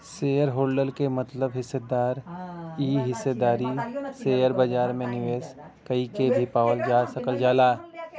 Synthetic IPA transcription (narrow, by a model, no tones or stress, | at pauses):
seːjəɾɦoːlɖəlkemɐt̪ləbɦɪsːed̪aːɾiːɦɪsed̪aːɾiseːjəɾbad͡ʒaːɾmẽnɪʋeːs | kɐikebʱipaːʋəld͡ʒaːsɐkəld͡ʒaːlaː